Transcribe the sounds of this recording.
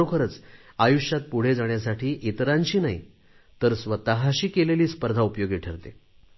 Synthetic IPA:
okʰəɾət͡s | ajuɕjat̪̚puɽ̤ed͡zaɳjasaʈʰiːʔit̪ɾaɲt͡ɕiːnaḭ | t̪əɾsʋət̪əɦaɕiːkeleliːspəɾd̪ʱaupjoɡiʈʰəɾt̪e

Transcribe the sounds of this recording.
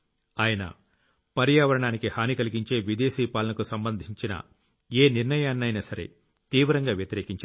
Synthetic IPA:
aːjɐnɐ̰ | pɐɾjaːʋɐɾɐɳaːnikihaːnikɐliɡiɲt͡ʃe̞ːʋid̪e̞ːsiːpaːlɐnɐkusɐmbɐnd̪ʱiɲt͡ʃinɐ̰ | eːniɾnɐjaːnːɐjnɐsɐɾe̞̰ | t̪iːʋɾɐŋɡaːʋjɐt̪iɾe̞ːkiɲt͡ʃː

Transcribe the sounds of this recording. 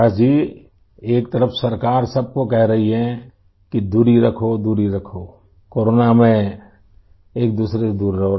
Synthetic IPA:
ad͡ʒiː | eːk̚t̪ɐɾəfsɐɾkaːɾsɐb̚kokɛɦɾɐɦiɦɛ̃ | kid̪uːɾiɾɐkʰod̪uːɾiɾɐkʰo | koːɾoːnamẽ | eːk̚d̪uːsɾesed̪uːɾːɐɦo

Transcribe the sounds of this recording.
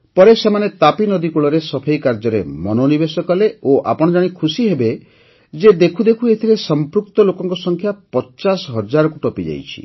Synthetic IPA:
pɔɾesemanet̪apinɔd̪ikuɭɔɾesɔbʰʱejkaɾd͡ʒɔɾḛmɔnonibesɔkɔleoʔa̰pɔɽ̃ɔd͡ʒaɽ̃ikʰusiɦebe | d͡ʒed̪ekʰud̪ekʰuet̪ʰilesɔmpɾuk̚t̪ɔlokɔŋkɔsɔŋkʰjapɔt͡ʃasɔɦɔd͡ʒaɾɔkuʈɔpid͡ʒa̰jt͡ʃʰḭ

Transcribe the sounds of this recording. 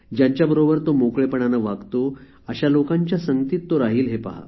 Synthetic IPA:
d͡ʑjãɲt͡ɕjabəɾobəɾt̪omokɭepəɳanaʋaɡt̪o | əɕalokãɲt͡ɕjasəŋɡət̪iːt̪ːoɾaɦiːlɦepa̰ɦa̰

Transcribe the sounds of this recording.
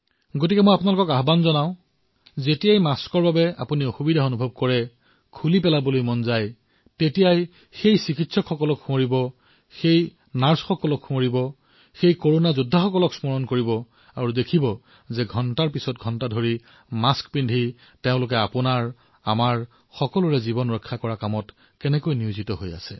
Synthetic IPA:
ɡotikɛmojapʊunalʊkɔkaɦbanzɔnaʊ̃ | zetijajmaskɔɹbabɛa̰punioxubidʱaonubʱɔb̚kɔɹɛ | kʰulipɛlabolojmɔnzaj | tetijaj | xejsikitsɔkxɔkɔlɔkxũɔɹibɔ | xej | naɹsxɔkɔlɔkxũɔɹibɔ | xejkoɹonazudʱːaxɔkɔlɔksmɔɹɔnkoɹibɔ | aɹudekʰibɔ | zɛɡʱɔntaɹpisɔt̚ɡʱɔntadʱoɹi | maskpindʱi | teʊ̃lʊk̬ɛapʊnaɹ | amaɹ | xɔkɔlʊɹɛzibɔnɹɔkʰːakɔɹakamɔt | kɛnɛkojniʊzitɔɦoja̰sɛ̰

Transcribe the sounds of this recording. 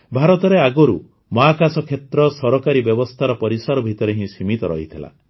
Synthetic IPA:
bʱaɾɔt̪ɔɾeaɡɔɾṵ | mɔakasɔkʰet̪ɾɔsɔɾɔkaɾibjɔbɔst̪ʰaɾɔpɔɾisaɾɔbʱit̪ɔɾeɦĩsimit̪ɔɾɔ̰ɦit̪ʰila̰

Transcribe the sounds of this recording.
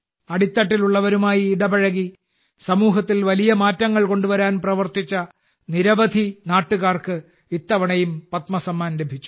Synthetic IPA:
ɐɽit̪ːɐʈːiluɭːɐʋɐɾumaːjiːɽɐbɐɻɐɣi | sɐmuːɦɐt̪ːilʋɐlijɐmaːtːɐŋːɐɭko̞ɳɖuʋɐɾaːnprɐʋɐrt̪it͡ɕːɐ | niɾɐʋɐd̪ʱinaːʈːuɣaːrkɨ | it̪ːɐʋɐɳɐjumpɐt̪mɐsɐmːaːnlebʱit͡ɕːu̥

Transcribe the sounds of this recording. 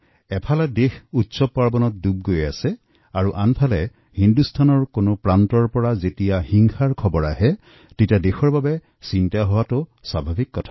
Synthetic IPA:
ɛpʰalɛdexutsɔpaɹbɔnɔt̚dub̚ɡoja̰sɛ | aɹuʔanpʰalɛ | hindustʰanɔɹkonʊpɹantɔɹpɔɹazetijahiŋxaɹkʰɔbɔɹaɦɛ | titadexɔɹbabɛ | sintaɦɔwatʊswabʱabikːɔtʰḁ

